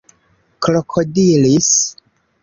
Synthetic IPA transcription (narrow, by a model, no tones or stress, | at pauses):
klokʰodilis